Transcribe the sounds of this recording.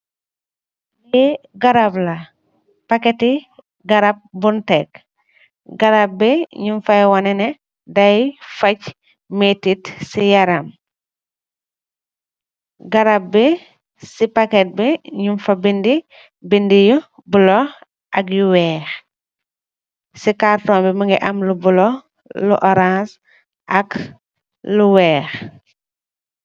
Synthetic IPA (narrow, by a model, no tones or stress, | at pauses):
liɡaɾabla | paketi | ɡaɾap̚buntɛk | ɡaɾab̚biɲumfajwɔnene | dajfac | metitsijaɾam | ɡaɾab̚bi | sipakɛt̚biɲumfɐbindi | bindiju | bulɔ | ʔɐkjuwɛːx | sikartɔːnbiməŋɡiʔɐmlubulɔ | lṵʔɔɾãːs | ʔɐk | luwɛːx